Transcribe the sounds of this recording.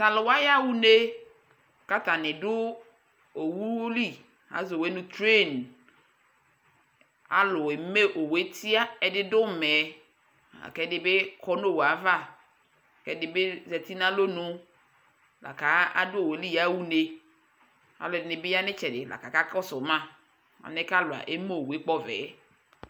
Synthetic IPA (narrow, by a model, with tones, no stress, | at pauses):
sa˨lʊ˨wa˦ja˦wu˦ne˦ | ka˦ta˨nɪ˨dʊ˦ | o˨wu˦li˦ | ha̰˨˦zwe˦nʊ̃˦tɾe˦˨n | a̰˦lʊ˨e˨m˦me˦ʔo˨we˦tʰi˦a˦ɛ˨dɪ˦dʊ˦˨mɛ˨ | a̰˨kɛ˦dɪ˦bɪ˦kʰɔ˦no˦˨wa˨˦va˦˨ | kɛ˦dɪ˦be˦zɛ˨ti˦na˦lo˦nʊ̃˦ | la̰˨ka˨˦a̰˦dʊ˦o˨we˨˦li˦ja˨˦wu˦ne˦ | a̰˨lʊ˨dɪ˨nɪ˨bɪ˦ja˦nɪ˦t͡ʃɛ˨dɪ˨la̰˨ka˨ka˦kɔ˦sʊ˨˦mã˦ | a̰˨nɛ˦ka˦lʊ˨a̰˨ʔe˦mo˦o˨we˦k͡pɔ˦vɛ̰ː˨˦